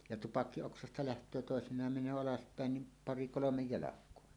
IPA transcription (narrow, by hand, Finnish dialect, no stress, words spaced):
jɑ tupɑkːioksɑstɑ læhtˑøː toˑesinˑɑːm menˑøː ɑlɑspæˑen nim pɑri kolomej jɑlɑkˑoɑ